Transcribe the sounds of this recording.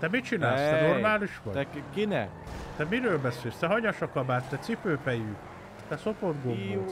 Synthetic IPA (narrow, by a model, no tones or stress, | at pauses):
t̪ɛmit͡ʃinaːlst̪ɛnormaːliʃʋɒ̰ɛkinɛ̰ | t̪ɛmiɾøːlbɛseːlst̪ɛɦɒɲɒʃɒkɒbaːt̪t̪ɛt̪sipøːpɛjy | t̪ɛso̞pod̪ɡombu